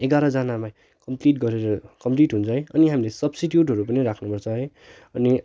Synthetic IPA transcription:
eɡaɾʌd͡zanama | kʌmpliʈɡʌɾeɾʌkʌmpliʈɦunt͡sʰʌɦʌjʌniɦamilesʌbsiʈjuʈ̬ɦʌɾupʌniɾakʰnupʌrt͡sʰʌɦʌj | ʌni

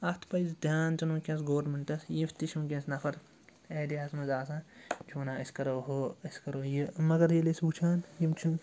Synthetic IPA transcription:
ɐt̪ʰpɐjzd̪ʱʲjaːnt͡ʃɐnõːkʲɐ̃ns̬ɡoːɾmiɳʈɐsjift̪iʃũːkʲẽsnɐfʰɐɾ | eːd̪iaːsmɐzaːsãːt͡ʃʰoːnaːɐskɐɾoːɦoːɐskɐɾoːjimɐɡɐɾjilesbuːt͡ʃʰaːnjimt͡ʃʰun

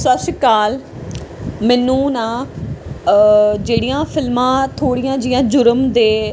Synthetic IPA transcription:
səsɪkaːl | mɛːnũːnãː | d͡ʒeːɽɪjãːpʰɪlmãːt̪ʰoːɽɪjãːd͡ʒɪjãːd͡ʒʊɾəmd̪eː

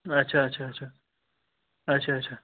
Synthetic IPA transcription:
ətːʃʰaətːsʰaːtːt͡ʃʰa | ətːt͡ʃʰaətːt͡ʃʰa

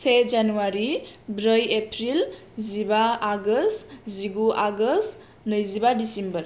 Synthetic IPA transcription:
sed͡ʒanuwaɾibɾəjepʰɾil | zibaːɡəstziɡuʔaɡəs | nɯjzibadisimbəɾ

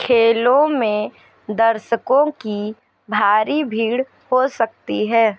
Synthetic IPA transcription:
kʰeːlõmẽ | d̪ɐɾʃəkõki | bʱaːɾibʱiːɽ | hosɐk̚t̪iɦɛː

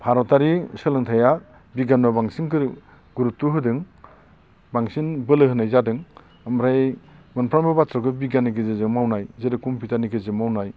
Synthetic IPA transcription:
pʰaɾɔtaɾisɯlɯŋtʰaja | biɡanmabaŋsiŋkɯɾ | ɡuɾutːuɦɯdɯŋ | baŋsinbɯlɯhɯnajzadɯŋ | amɾajmɯnpʰɾambɯbatɾɔkɯbiɡaniɡɯzezɯmawnajzeɾɯkumpʰitaniɡɯzɯmawnaj

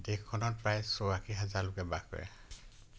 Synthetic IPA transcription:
dekʰːɔnɔt̚pɹajsɔakʰiɦazaɹlʊkɛbaɡkɔ̰ɹɛ̰

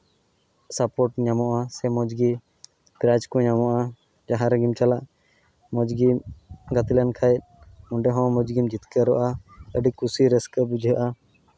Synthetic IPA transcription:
sapɔʈ̚ɲamɔʔasɛmɔd͡ʒɡi | pɾad͡ʒkɔ̃ɲamɔʔa | d͡ʒaɦaɾəɡimt͡ʃalaʔ | mɔd͡ʒɡiɡat̪ilankʰajt̪̚muɳɖɛɦɔ̃mɔd͡ʒɡimd͡ʒit̪kəɾɔʔaəɖikusiɾɛskəbud͡ʒʱɦəʔa

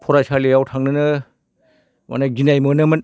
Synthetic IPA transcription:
pʰɔɾasalejawtʰaŋnɯnɯ | ma̰naɡinajmɯnɯmɯn

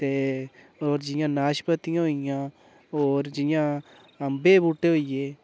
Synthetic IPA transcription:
t̪eː | oːɾd͡ʒɪjãːnaːʃpət̪ɪjãːɦoɪjãː | oːɾd͡ʒɪjãː | əmbeːbuʈːeːɦoːijeː

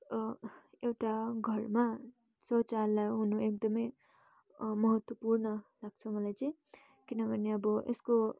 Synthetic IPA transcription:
ewʈaɡʱʌrma | sʌt͡salːajɦunuekd̪ʌmʌj | mʌɦʌt̪wʌpurnʌlaɡ̚t͡sʰʌmʌlajt͡sʌĩ | kinʌbʱʌneʌbʌʔesko

